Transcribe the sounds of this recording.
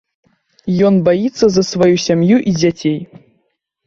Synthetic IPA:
jɔnbajit̪sːɐzɐsvajusʲamjuʔid͡zʲat͡sʲej

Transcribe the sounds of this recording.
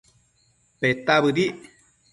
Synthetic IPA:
pet̪aβɨdi

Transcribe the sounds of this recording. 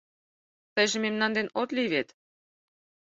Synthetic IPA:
t̪ə̆jʒĕmemnɑnd̪enot̪liβet̪

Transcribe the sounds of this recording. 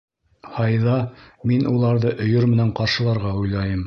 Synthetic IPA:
hɑjðɑminʔulˠɑɾðɤʔɵ̆jɵɾmɘ̆næɴqɑɾʃɤ̆lˠɑɾʁɑujlˠɑjɤm

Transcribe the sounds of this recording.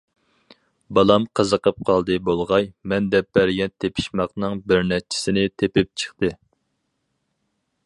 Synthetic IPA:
bɑlˠɑmqʰəzəqəp̚qʰɑlˠd̪ɨbolˠʁɑjmɛnd̪ɛp̚b̥ɛɾɡʲɛnt̪ʰepʰi̥ʃmɑqnɨŋbɪɾnɛt͡ʃʰːɪ̥sɪnɪt̪ʰepɪp̚t͡ʃʰə̥χt̪ɨ

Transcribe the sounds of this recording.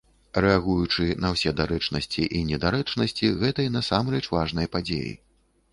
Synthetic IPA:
rɛaɣujut͡ʂɨnɐwsʲɛd̪aɾɛt͡ʂnɐsʲt͡sʲiʔinʲɛd̪aɾɛt͡ʂnɐsʲt͡sʲiɣɛt̪ɐjnɐsamɾrɛt͡ʂvaʐn̪ɐjɐpad͡zʲḛjḭ

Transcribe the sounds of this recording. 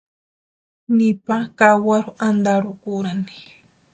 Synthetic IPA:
nɪpakawaɾʊand̪aɾʊkʊɾani̥

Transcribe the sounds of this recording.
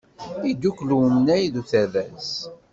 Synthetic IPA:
id̪ukluwmənæjðuθæðæs

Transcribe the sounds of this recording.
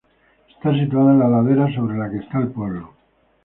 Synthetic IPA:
est̪as̬it̪uaðaenlalaðeɾas̬o̞βɾe̞lakest̪aelpwe̞βlo

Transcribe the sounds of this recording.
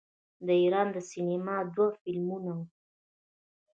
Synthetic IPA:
d̪əiɾɑnd̪əsinimɑd̪wafɪlmunawu

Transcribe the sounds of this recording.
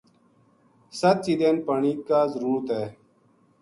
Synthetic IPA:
sət̪̚t͡ʃid̪eːnpəɳiːkaːzəɾuːɾt̪eː

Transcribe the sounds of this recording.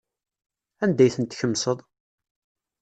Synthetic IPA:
ænd̪æjθənt̪çəmːsəðˤ

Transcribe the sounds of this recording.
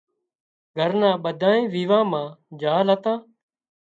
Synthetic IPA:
ɡʱəɾnãːɓəd̪ʱãːẽːʋiːʋãːmãːd͡ʒaːlɦət̪ãː

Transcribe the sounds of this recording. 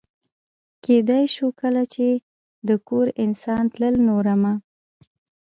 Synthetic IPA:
ked̪ajʃukəlat͡ʃe | d̪əkoɾɪnsɑnt̪ləlnoɾama

